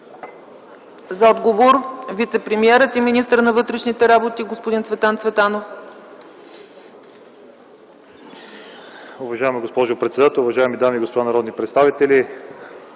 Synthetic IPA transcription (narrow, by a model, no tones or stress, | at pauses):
zɐɔd̪ɡovoɾvit̪sɛpɾɛmiɛɾət̪iminist̪əɾnɐvɤt̪ɾɛʃnit̪ɛɾabot̪iɡospod̪insvɛt̪ansvɛt̪anof | ʊvɐʒaɛmiɡospɔʒʊpɾɛt̪sɛd̪at̪ɛlˠʊvɐʒaɛmid̪amiːɡospod̪anɐɾɔd̪nipɾɛt̪st̪avit̪ɛli